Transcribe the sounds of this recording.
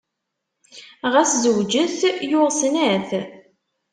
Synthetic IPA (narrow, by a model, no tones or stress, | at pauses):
ʁæszəwd͡ʒəθjʊʁsnæθ